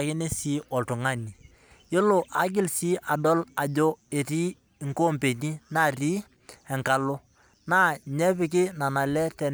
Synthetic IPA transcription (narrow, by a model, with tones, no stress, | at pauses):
kɪ˦ne˦si˦ʔɔ˨ltʊ˨ŋa˦ni˨ | jɪ˦lʊ˨ʔa˨˦ɡɪ˦lsiː˦ʔa˨dɔ˦la˨d͡ʒo˦e˨ɾi˦˨ | ŋkoː˦mpe˨ni˦na˦˨riː˦ | ɛ˨ŋka˨lʊ˦ | na˦ɲɛ˦pɪ˦k̬ɪ˦na˨na˨lɛ˦tɛ˨n